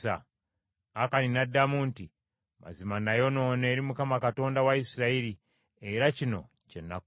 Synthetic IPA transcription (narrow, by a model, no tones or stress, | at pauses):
a̰ | akaninadːamuːnti | ma̰zimanajo̞no̞ːne̞ːɾimukamakato̞ːndawaisiɾaiɾi | eɾacino̞̰ | cenːak